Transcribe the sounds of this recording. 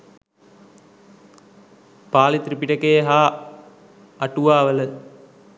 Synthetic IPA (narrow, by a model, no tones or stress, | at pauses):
paːlit̪ɾipiʈɐkeːɦaː | ɐʈuʋaːʋələ